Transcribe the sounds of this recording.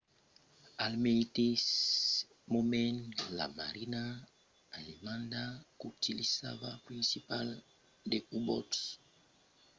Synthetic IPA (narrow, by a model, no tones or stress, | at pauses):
almejt̪es | momẽnla̰maɾinaː | lemãnd̪akut̪ilisa̰vapɾinsipal | d̪eubɔts